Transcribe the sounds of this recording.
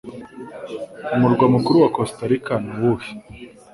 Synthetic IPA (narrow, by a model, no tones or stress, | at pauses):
umuɾɡwamukuɾuwakostaɾikanuwuhi̥